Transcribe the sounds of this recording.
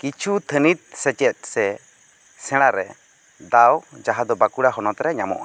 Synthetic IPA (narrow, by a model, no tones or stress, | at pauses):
kit͡ʃʰut̪ʰənit̪̚ˀsɛt͡ʃɛt̪̚ˀsɛ | sɛ̃ɽ̃aɾɛ | d̪awd͡ʒaɦad̪ɔbakuɽaɦɔnɔt̪ɾɛɲamɔ̰ʔa